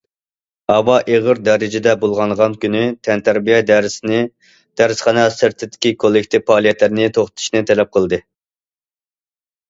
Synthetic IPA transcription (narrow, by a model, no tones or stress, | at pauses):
hɑwɑʔeʁəɾd̪ɛɾɪd͡ʒɪd̪ɛbolˠʁɑnʁɑnkʲynyt̪ʰɛnt̪ʰæɾbijɛd̪ɛɾɪsnɪ | d̪̥æɾɪsχɑnɑsɪɾt̪ʰɪd̪ɪ̥kʲikʰolˠːɪkʲt̪ʰɪfɑːlˠijɛt̪lɪɾɪnɪt̪ʰoχt̪t̪ʰʃnɨt̪ʰɛlɛp̚qʰəlˠd̪ɨ